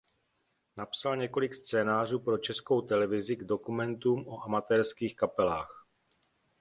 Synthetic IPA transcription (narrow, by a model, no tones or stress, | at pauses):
napsalɲɛko̞lɪkst͡sɛːnaːr̝uːpɾo̞t͡ʃɛsko̞wt̪ɛlɛvɪzɪɡdo̞kumɛnt̪uːmoʔamat̪ɛːɾskiːxkapɛlaːx